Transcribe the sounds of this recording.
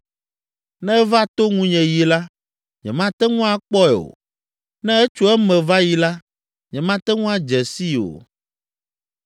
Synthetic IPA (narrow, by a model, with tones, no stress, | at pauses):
nɛ̃˦ɛ˦va˦t̪o˦ŋũ˦ɲɛ̃˨ji˨la˦ | ɲɛ̰̃˨mã˦t̪ɛ˦ŋũ˦a˦k͡pɔ˦ɛ˨o̰˨ | nɛ̃˦ɛ˦t͡ʃu˦ɛ˦mɛ̃˨va˦ji˨la˦ | ɲɛ̃˨mã˦t̪ɛ˦ŋũ˦a˦d͡ʒɛ˨si˦o̰˨